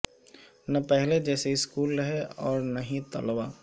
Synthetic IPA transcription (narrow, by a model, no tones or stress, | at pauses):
nɐpɛɦled͡ʒɛːseɪskuːlɾɐɦeɔːɾnɐɦĩt̪ɐ̰lbaː